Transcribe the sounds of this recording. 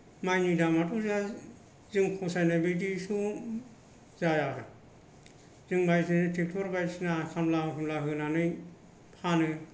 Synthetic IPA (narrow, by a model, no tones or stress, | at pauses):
majnidamatuza | zɯŋkʰɔsajnabed̬isu | zajaɯ | zɯŋbajsɯnɯtʰik̚tʰɔɾbajsnakʰamlakʰɯmlaɦɯnanɯj | pʰanɯ